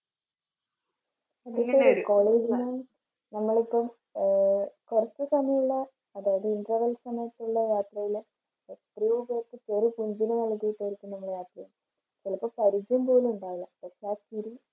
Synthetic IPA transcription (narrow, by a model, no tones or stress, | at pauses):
ɐðekːoikoːɭeːd͡ʑinnɐ | nɐmːɐɭipːɐm | korɐt͡ɕːɨsɐmijuɭːɐː | ðaːjɐðɨindrɐʋɐlsɐmɐjʈːuɭːɐjaːt̪rɐjil | et̪rijobeːk̪ːɨt͡ɕeːripuɲd͡ʑinenɐɭkːijiʈːɐjiɾikʲːumnɐmːɐɭjaːt̪rɐjuɳ | t͡ɕilɐpːɐmpɐɾid͡ʑumpo̞ːlumuɳɖaːʋiɭːɐpɐʂaːtiɾi